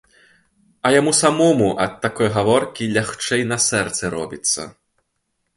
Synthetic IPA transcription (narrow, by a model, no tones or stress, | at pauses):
ɐjamusamɔmuʔɐt̪tːakɔjɣavɔrkʲilʲaxt͡ʂɛjnɐsɛrt̪sɛɾɔ̰bʲit̪sːɐ̰